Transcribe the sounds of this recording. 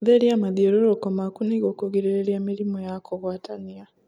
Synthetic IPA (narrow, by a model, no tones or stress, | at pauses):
ðeɾiamaðiɔɾoɾɔkɔmakuniɣokuɣiɾeɾeɾiamiɾimɔjakʰoɣwatania